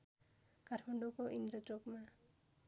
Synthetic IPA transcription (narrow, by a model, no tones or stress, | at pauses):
kaʈʰmaɳɖokoʔind̪ɾot͡sokma